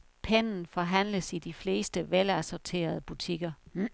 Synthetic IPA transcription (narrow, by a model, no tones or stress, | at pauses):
pʰenn̩fɒ̽ɦæn̰ləsid̥ifle̝ːsd̥əʋelæsɒt͡sʰe̝̰ːɐð̞̩ˠəb̥ut͡sʰiɡ̥ɐ